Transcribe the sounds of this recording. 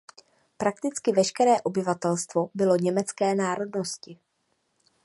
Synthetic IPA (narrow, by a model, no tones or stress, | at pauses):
pɾak̚t̪ɪt͡skɪvɛʃkɛɾɛːʔo̞bɪvat̪ɛlst̪vo̞bɪlo̞ɲɛmɛt͡skɛːnaːɾo̞dno̞scɪ